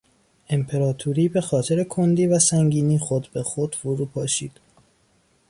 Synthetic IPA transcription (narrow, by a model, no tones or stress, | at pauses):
e̞mpʰe̞ɾɒːt̪ʰuɾiːbe̞xɒːt̪ʰeɾe̞kʰond̪iːvæsæŋɟiːniːxod̪be̞xod̪̥foɾuːpʰɒːʃiːd̪̥